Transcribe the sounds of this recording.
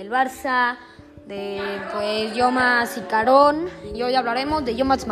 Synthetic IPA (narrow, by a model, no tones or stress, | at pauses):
elβaɾsa | d̪epwesjomasikaɾonojaβlaɾemozðeʝomasm